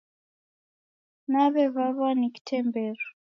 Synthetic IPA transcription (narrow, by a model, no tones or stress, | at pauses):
naβɛvaβaniki̥tʰɛmbɛɾɔ